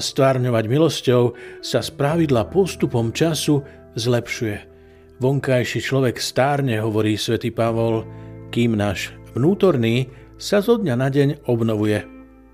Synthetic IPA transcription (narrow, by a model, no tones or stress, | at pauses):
st̪ʋaːɾɲɔʋaɟmilɔscɔʊsaspɾaʋid̪lapɔst̪upɔmt͡ʃasu | zlɛpʃujɛ | ʋɔŋkajʃit͡ʃlɔʋɛkst̪aːɾɲɛɦɔʋɔɾiːsʋɛt̪iːpaʋɔlkiːmnaːʒʋnuːt̪ɔɾniː | sazɔd̪ɲanaɟɛɲɔbnɔʋujɛ